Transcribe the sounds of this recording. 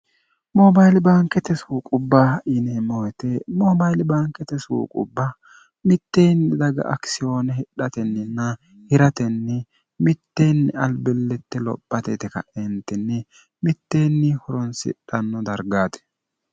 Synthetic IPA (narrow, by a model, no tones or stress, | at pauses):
mɔbɐjlbaːŋkɛt̪ɛsuːkʼʊbːaɪnɛmɔwɛt̪ɛmɔbɐjlbaːŋkɛt̪ɛsṵːkʼʊ̰bːɐ | mɪt̪ːeːnd̪ɪd̪ɐɡɐ̰ʔɐksɪjoːnɛhɪɗɐt̪ɛnːɪnːɐ | hɪɾɐt̪ɛnːɛ | mɪt̪ːeːnːɪɐlbɛlːɛt̪ːɛlɔ̰pʼːɐt̪ɛt̪ɛkɐ̰ʔɛnt̪ːɛnːɛ | mɪt̪ːeːnːɪhɔɾɔnsɪ̰ɗɐnːɔd̪ɐɾɡaːd̪ɛ̥